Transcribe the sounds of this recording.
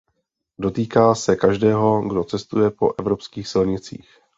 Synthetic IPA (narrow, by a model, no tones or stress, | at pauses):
do̞t̪iːkaːsɛkaʒdɛːɦo̞ɡdo̞t͡sɛst̪ujɛpo̞̰ʔɛvɾo̞pskiːxsɪlɲɪt͡sḭːx